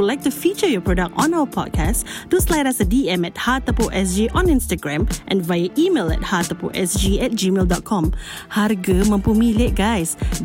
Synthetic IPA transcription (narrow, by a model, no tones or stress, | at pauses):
lajk̚tufit͡ʃəjɔpɹɔdak̚tɔ̃nawəpʰɔ̰d̚kʰasduslajɾasədiɛ̃mɛt̚hat̪əpoʔɛs̬d͡ʒiʔɔ̃nĩnstəɡɹɛ̃mʔɛ̰̃nvajəʔimelɛ̰t̚hat̪əpoʔɛsd͡ʒiɛt̚d͡ʒimeldɔt̚kʰɔ̃m | harɡəmə̃mpumileʔ̚ɡajs